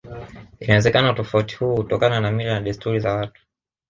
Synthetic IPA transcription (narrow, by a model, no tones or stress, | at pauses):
inawɛzɛkanautɔfauti̥huːhutɔkananamilanaɗistuɾizawatu̥